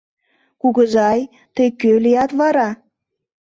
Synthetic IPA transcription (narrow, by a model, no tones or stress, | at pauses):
kuɣəzɑj | t̪əjkølijɑt̪βɑɾɑ